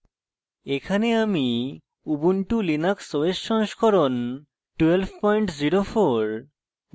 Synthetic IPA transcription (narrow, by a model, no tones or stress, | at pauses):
ekʰaneami | ubuɳʈulinaksoeʃːɔŋʃkʰoɾon | ʈuelbpɔjɳʈziɾofoɾ